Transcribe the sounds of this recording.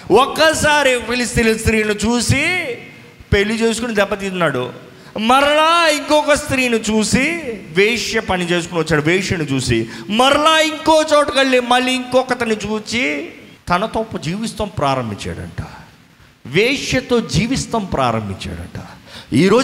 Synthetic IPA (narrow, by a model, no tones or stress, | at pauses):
ɔkːɐsaːɾipilist̪ilɐst̪ɾiːnit͡ʃuːsi | pelːit͡ʃe̞ːsu̥kunid̪ɛbːɐt̪iunːaːɽṵ | mɐɾɐlaːiŋkɔkɐst̪ɾiːnit͡ʃuːsiʋeːʂjɐpɐnit͡ʃe̞ːsukuniʋɐt͡ʃːaːɽuʋeːʂjɐnit͡ʃuːsimɐɾɐlaːiŋkoːt͡ʃoːʈɐkɐɭːimɐlːiːŋkɔkːɐt̪ɐnit͡ʃuːt͡ʃit̪ɐnɐt̪oːpːɐd͡ʒiːʋist̪ɐmpɾaːɾɐmbʱiɲt͡ʃa̰ːɽɐ̰ɳʈa | ʋeːʂjɐt̪o̞ːd͡ʒiːʋist̪ɐmpɾa̰ːɾɐ̰mbʱḭɲt͡ʃa̰ːɽɐ̰ɳʈaiːɾo̞ː